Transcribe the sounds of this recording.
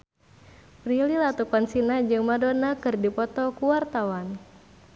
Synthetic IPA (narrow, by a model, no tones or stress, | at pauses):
pɾililat̪ukansinad͡ʒɨŋmadonakɨrdipɔt̪ɔkuwart̪awan